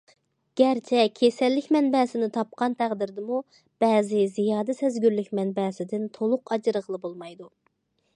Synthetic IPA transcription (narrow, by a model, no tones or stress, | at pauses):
ɡ̥ʲɛɾt͡ʃʰɛkʲʰesɛlːɪkʲmɛnbɛːsɪnɪt̪ʰɑp̚qʰɑnt̪ʰæʁd̪ɪɾd̪ɪmu | b̥ɛːzɪzijɑːd̪ɛsɛzɡʲyɾlykʲmɛnbɛːsɪd̪ɪnt̪ʰolˠʊqɑd͡ʒɨɾəʁəlˠɨbolˠmɑjd̪u